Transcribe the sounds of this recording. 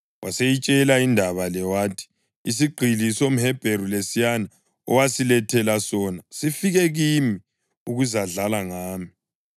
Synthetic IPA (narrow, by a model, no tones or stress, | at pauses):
wasejit͡ʃʼɛlaindʱaβalɛwaːtʰi̥ː | siɡ͡ǃʱilisom̩hɛb̥ʱeɾulesijana | ɔ̰wasilɛtʰɛlasɔnasifiɣɛɣimi | uɣuzaɮalaŋaːmi